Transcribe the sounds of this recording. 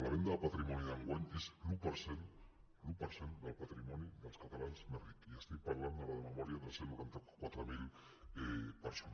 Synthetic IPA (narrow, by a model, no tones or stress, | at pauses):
laɾend̪apat̪ɾimoniðaŋɡwaneslupaɾsen | lupaɾsenbalpat̪ɾimoniɡawskat̪alansmeɾik̪iast̪ejpaɾalend̪aβaðemamoɾiaðeɾselukant̪ako̥kwat̪ɾomil | peɾson